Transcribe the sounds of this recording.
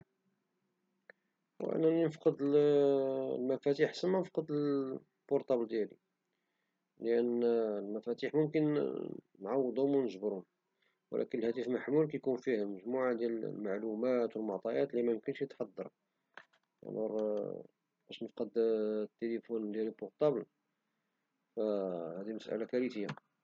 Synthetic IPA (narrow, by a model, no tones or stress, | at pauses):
wʔə̰nːæninəfqəd̪ | lmæfæt̪iħsənmænəfqəd̪əl | b̥ʊɾt̪ˤɑbld̪jælḭ | ləʔænlmæfæt̪iħmʊmkən | nʕɑwːəd̪ˤʊmwnəʒbɾʊm | w̰lʔæ̰kənəlhæt̪əfmaħmulkæjkunfihlməʒmuʕad̪jællmaʕlumæt̪wəlmoʕt̪ˤɑjæt̪limæjʊmkənʃjət̪ħɑd̪ˤːɑ̰ɾˤ | æ̰nṵɾ | bæʃnəfqɑd̪t̪ːelifund̪jælilbʊɾt̪ˤɑbl | fæhæd̪iməsʔæ̰lakæɾit̪əjːa